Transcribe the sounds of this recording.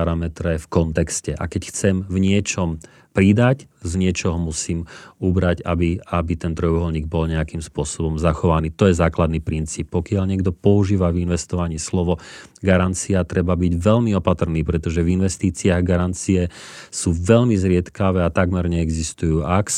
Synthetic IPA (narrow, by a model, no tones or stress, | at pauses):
aɾamɛt̪ɾɛfkɔnt̪ɛkscɛʔa̰kɛcxt͡sɛmvɲɪɛt͡ʃɔm | pɾid̪aczɲɪɛt͡ʃɔɦɔmusiːmubɾaɟabiabit̪ɛnt̪ɾɔjuɦɔlɲiːɡ̚bɔlɲɛakimspʊɔsɔbɔmzaxɔʋaniːt̪ɔjɛzaːklad̪niːpɾint͡siːp̚ːɔkɪaʎɲɪɛɡd̪ɔpɔuʒiːʋavinʋɛst̪ɔʋaɲiːslɔʋɔ | ɡaɾant͡siat̪ɾɛbabiɟʋɛʎmiɔpat̪r̩niːpɾɛt̪ɔʒɛvinʋɛst̪iːt͡siaɣɡaɾant͡siɛsuːʋɛʎmizɾɪɛt̪kaʋɛːat̪aɡmɛɾɲɛɛɡzist̪ujuːʔak